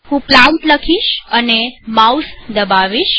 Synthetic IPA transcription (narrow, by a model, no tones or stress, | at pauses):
hũplaunʈləkʰiʃənemawsd̪əbaʋiʃ